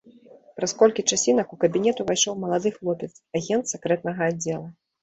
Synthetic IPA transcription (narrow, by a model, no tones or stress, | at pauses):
pɾɐskɔlʲkʲit͡ʂasʲinɐkukɐbʲinʲɛt̪uvajʂɔwmɐlˠad̪ɨxlˠɔpʲɛt̪saɣʲɛnt̪sʲɛkɾɛt̪̚nɐɣɐadd͡zʲːɛlˠu